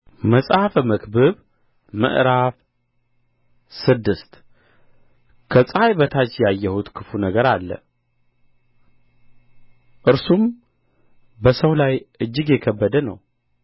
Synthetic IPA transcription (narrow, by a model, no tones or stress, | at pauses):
məsʼafməkbɨβ | mə̰ʔɾaf | sɨd̪ːɨst̪ | kʰəsʼajbət̪ʰat͡ʃjajːɛhut̪kʰɨfunəɡəɾalːə̰ | ʔɨɾsum | bəsəwlajʔɨd͡ʒːɨɡjɛkʰəbːəd̪ənə̰w